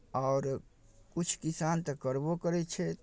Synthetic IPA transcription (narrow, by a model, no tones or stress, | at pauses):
ɔːɾ | kut͡ʃʰkisant̪əkəɾbokəɾɛt̪t͡ʃʰɛ